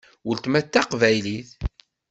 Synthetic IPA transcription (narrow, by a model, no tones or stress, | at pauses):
wəlt̪mæt̪ːæqvæjliθ